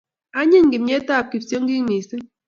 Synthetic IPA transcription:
a˦ɲi˦ŋɡi˨mɲe˦ta˦˨p̚ki˨psjo˦ŋɡi˦ŋmi˨sɨ˦

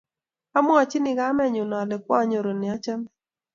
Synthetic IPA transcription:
a˦mʊ˦a˨t͡ʃɪ˦nɪ˨ɡa˦mɛ˦˨ɲʊ˨nɔ˨lɛ˨k̚wɔ˦ɲo˨ɾo˨nɪ˨a˦t͡ʃa˦m

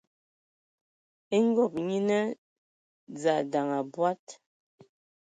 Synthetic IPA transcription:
e˦ŋ˦ɡɔ˦˨p̚ɲi˦nə˦ | d͡za˨da˨ŋa˨bwa˦t̚

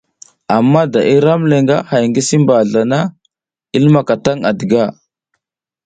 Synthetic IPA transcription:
a˨mːa˦da˨ʔi˦ɾa˦mle˨ŋɡa˦ha˨jŋɡi˦si˦mba˨ɮa˨na˦ | i˦lma˨ka˨ta˦ŋa˨də˨ɡa˦˨

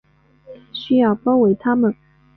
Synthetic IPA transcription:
ɕy˥jɑ˥˩ʊpɑ˥ʊwe˧˥ɪt̪ʰa˥mə˨n

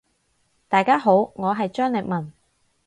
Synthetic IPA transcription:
t̪aː˨˩jkaː˥ɦo˨˥wŋɔː˨˧ɦɐ˨jt͡ʃœː˥ŋlɪ˨˩k̚mɐ˨˩n

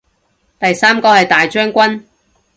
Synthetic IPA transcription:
t̪ɐ˨jsaː˥mkɔː˧hɐ˨jt̪aː˨jt͡ʃœː˥ŋkʷɐ˥n

